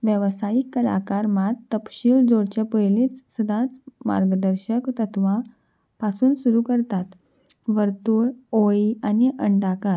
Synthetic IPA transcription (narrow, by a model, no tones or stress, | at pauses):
ʋjəʋsaikːəla̰kaɾmat̪ːəpɕiːld͡zoɽt͡ɕapəjliːt͡ssəd̪ʱãt͡sma̰ɾɡəd̪əɾɕəkt̪ət̪ʰʋã | pasuːnsuɾuːkəɾt̪at̪ | ʋəɾt̪uːɾoianiʔəɳɖaka